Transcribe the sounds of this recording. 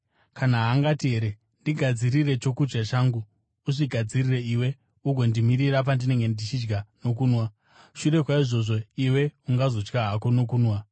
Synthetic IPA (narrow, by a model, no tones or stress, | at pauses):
kanaɦaŋɡatiɦe̞ɾe̞ | ndiɡʱad͡ziɾire̞t͡ʃo̞kud͡ʒɡat͡ʃaːŋɡuː | ʂiɡʱad͡zirire̞iwe̞ | uɡʱo̞ndimiɾiɾap̬andine̞ŋɡe̞ndit͡ʃid͡ʒɡano̞k̬uːnwa | ʃure̞kwaiʐo̞ʐo̞iwe̞uŋɡazo̞t͡ʃkaɦako̞no̞kuːnwa